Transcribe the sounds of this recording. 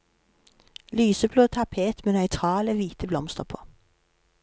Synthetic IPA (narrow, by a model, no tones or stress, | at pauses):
lyːsəbloːt̪ʰɑpʰeːt̪meːnœʏt̪ʰʁɑːləʋiːt̪əblɔmst̪əʁpʰoː